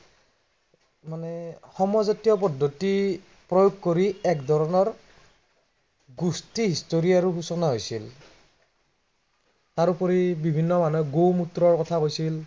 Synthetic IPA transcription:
manɛxɔmɔzatijɔp̬ɔdʱːɔti | pɹɔjoɡ̚koɹiɛkdʱɔɹɔnɔɹ | ɡustiɦistoɹiaɹuxusɔnaɦojsil | taɹupɔɹibibʱinːɔmanɔjɡowmutɾɔɹkɔtʰakojsil

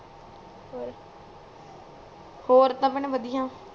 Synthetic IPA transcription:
hoːɾt̪ãːməɳʋəd̪ɪjãː

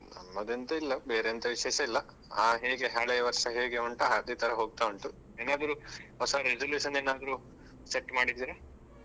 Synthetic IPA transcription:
nɐ̰mːɐd̪ent̪ɐilːɐbeːɾeɐnt̪ɐʋiʃɛːʃɐilːɐ | aːɦeːɡeɦaːɭejɐʋɐɾʂɐɦeːɡeuɳʈɐad̪it̪ʰɐɾɐɦo̞ːɡ̚t̪aːʋuɳʈu | eːnaːd̪ɐɾuɦɔsɐɾed͡ʒɐljuːʃɐneːnaːd̪ɐɾu | seʈːmaːɽid̪iːɾɐ

